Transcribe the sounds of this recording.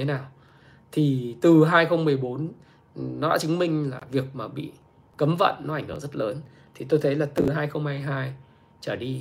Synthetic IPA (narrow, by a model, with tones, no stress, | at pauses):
e˨˦naː˨˩w | t̪ʰi˨˩t̪ɨ˨˩ɦaː˧jxə˧wŋ͡mmɨ˨˩əjɓo˨˦n | nɔ˨˦ɗa̰ː˧˥t͡ɕï˨˦ŋ̟mï˧ŋ̟laː˨˩vi˨˩ək̚maː˨˩ɓḭ˧˨ | kə˨˦mvə̰˧˨nːɔ˨˦ʔa˧˩jŋ̟hɨ˧˩ŋzə˦˥t̚ləː˨˦n | t̪ʰi˨˩t̪o˧jt̪ʰə˨˦jlaː˨˩t̪ɨ˨˩ɦaː˧jxə˧wŋ͡mhaː˧jɦaː˧j | t͡ɕəː˧˩ɗi˧